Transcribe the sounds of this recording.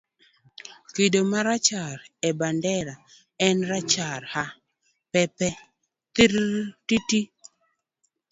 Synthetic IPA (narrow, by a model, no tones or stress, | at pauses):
kidomaɾat͡ʃaɾɛbandɛɾa | ɛnɾat͡ʃaɾha | pɛpɛ | t̪iɾtiti